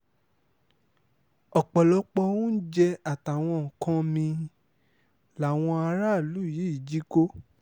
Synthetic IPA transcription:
ɔ˨k͡pɔ˨lɔ˨˦k͡pɔ˧wõ˦n̩˦d͡ʒɛ˧a˨ta˨w̃ɔ̃˧˨ŋ̩˨kã˦mĩ˧ | la˨˦˨w̃ɔ̃˧a˧ɾa˦˨lu˨˦˨ji˨˦i˨d͡ʒi˨˦ko˦

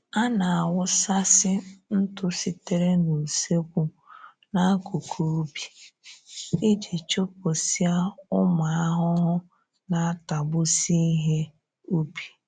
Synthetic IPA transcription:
a˦na˨a˨wʊ˦sa˦sɪ˦n̩˦tʊ˦si˨te˦ɾe˦no˨se˦kʷu˦ | na˦ku˨kʰo˦o˦bi˨ | ɪ˦d͡ʒe˨t͡ʃo˦p̚o˨si˦a˦ʊ˦ma˨a˦ɦʊ˦ɦʊ˦ | na˨a˦ta˨bʊ˦si˦ɦe˦ | o˦bi̥˨

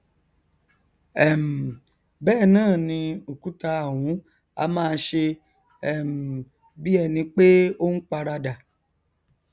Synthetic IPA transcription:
ɛ˨m̩˨ | bɛː˦˨nãː˦˨nĩ˧o˨ku˨˦ta˧a˨wũ˨˦ | a̰˧mãː˦˧˦ʃe˧ | ɛ˨m̩˨ | bi˦ɛ˧nĩ˧k͡pe˦o˦n̩˦k͡pa˧ɾa˧da˨

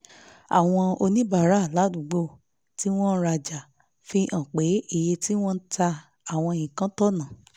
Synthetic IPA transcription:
a̰˨w̃ɔ̃˧o˧nĩ˦ba˦˨ɾa˨˦˨la˨˦du˨ɡ͡bo˦˨ | ti˨˦w̃ɔ̃˦n̩˦ɾa˧d͡ʒa˨ | fi˧ʔã˨k͡pe˨˦i˦˨je˧ti˦w̃ɔ̃˦n̩˦ta˧ | a˨w̃ɔ̃˧jĩ˨kã˨˦tɔ˦nã˨

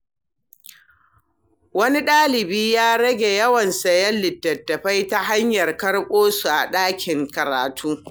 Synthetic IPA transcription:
wɐ˦ni˦ɗaː˦lɪ˨biː˦jaː˦ɽɐ˦ɡʲe˨jɐ˦wɐ˨nsɐ˨jɐ˦nːɪ˨tːɐ˨tːɐ˨ɸa˦jta˦ɦa˦ɲjɐ˨rkɐ˦ɽkʷʼoː˦su˨ʔa̰˨ɗaː˦kʲʰɪ˨ŋkɐ˨ɾaː˨tʰuː˦

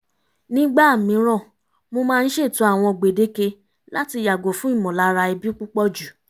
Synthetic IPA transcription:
nĩ˦ɡ͡ba˦˨mĩ˨˦ɾ̃ɔ̃˦˨ | mo˧mãː˦˧n̩˦ʃe˦˨tũ˨˦a˦˨w̃ɔ̃˧˨ɡ͡be˨de˦ke˧ | la˦ti˧˨ja˨ɡo˨fũ˨˦i˦˨mɔ̃˨la˨˦ɾa˧i˧bi˦k͡pu˦k͡pɔ˦˨d͡ʒu˨

